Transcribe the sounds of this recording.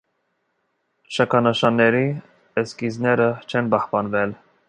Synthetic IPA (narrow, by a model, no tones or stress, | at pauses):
ʃɑkʰɑnəʃɑnːɛɾi | əskiznɛɾət͡ʃʰɛnbɑhpɑnvɛl